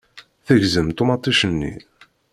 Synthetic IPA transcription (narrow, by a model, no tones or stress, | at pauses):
θəʝzəmt̪umɑt̪ˤːiʃənːḭ